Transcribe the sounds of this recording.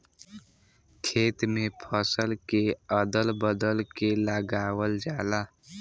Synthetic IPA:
kʰeːt̪mẽpʰəsəlkeəd̪əlbəd̪əlkeləɡaːwəld͡ʒaːlaː

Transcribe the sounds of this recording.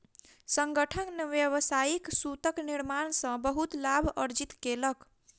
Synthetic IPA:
səŋɡəʈʰənniʋjəʋsaiksut̪əkniɾmansə̃bəɦut̪labʱəɾd͡ʒit̪kelək

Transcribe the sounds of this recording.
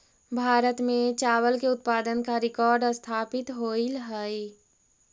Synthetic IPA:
bʱaːɾət̪mẽt͡ʃaːwəlkeʊt̪paːd̪ənkaɾɪkɔːɾɖəst̪ʰaːpɪt̪ɦoilɦəi

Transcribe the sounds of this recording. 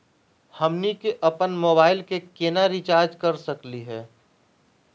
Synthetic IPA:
hɐmnikeʔɐpənmoːbaːɪlkekeːnaɾit͡ʃaːɾd͡ʒkɐɾsɐkliɦɛː

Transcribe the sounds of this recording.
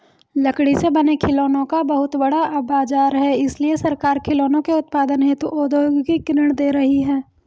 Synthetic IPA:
lɐkɽisebɐnekʰɪloːnõkabɐɦʊt̪bɐɽaɐbaːd͡ʒaːɾɦɛɪsliesɐɾkaːɾkʰɪloːnõkeʊt̪̚paːd̪ənɦɛ̃t̪oʔoːd̪oːɡkikɪɾəɽ̃d̪eːɾɐɦiɦɛː

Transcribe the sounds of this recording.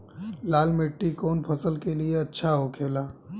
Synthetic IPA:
laːlmɪʈːikoːnpʰəsəlkelieɐtːʃʰaɦokʰeːlaː

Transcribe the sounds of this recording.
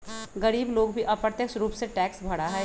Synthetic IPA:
ɡɐɾiːbloːɡbʱiʔɐpɾət̪jəksɾuːpseʈɛːksbʱɐɽaɦɛː

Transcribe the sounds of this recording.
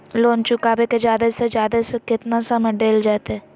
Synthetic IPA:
loːnt͡ʃʊkaːbeked͡ʒjaːd̪ased͡ʒjaːd̪asekɪt̪nasamɐɖeːld͡ʒaːt̪ɛː

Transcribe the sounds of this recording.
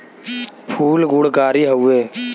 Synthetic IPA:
pʰuːlɡʊɽkaːɾiːɦəueː

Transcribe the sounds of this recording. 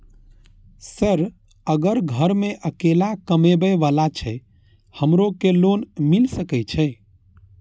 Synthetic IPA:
səɾ | əɡəɾɡʱəɾmeʔəkelakəmebəʋalat͡ʃʰɛ | həmɾokelonmilsəkɛt͡ʃʰɛ

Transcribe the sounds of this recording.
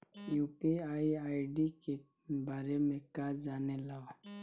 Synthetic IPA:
juːpiaːiaːiɖike | baːɾemẽkaːd͡ʒaːnelao

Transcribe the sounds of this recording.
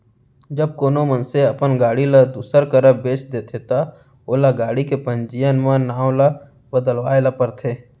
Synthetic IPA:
d͡ʒəb̚koːnomənseɐpənɡaːɽilad̪uːsəɾkəɾəbeːt͡ʃd̪eːt̪ʰet̪a | oːlaɡaːɽikepə̃nd͡ʒijənmãnaːwla | bəd̪əlwaːelapəɾt̪ʰeː

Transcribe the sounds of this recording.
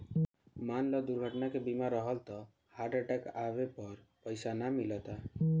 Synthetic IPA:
manlɔd̪uɾɡʱɔʈɔnakebimaɾɔɦɔlt̪ɔ | haɾɖaʈakabepɔɾ | pɔjsanamilɔt̪a

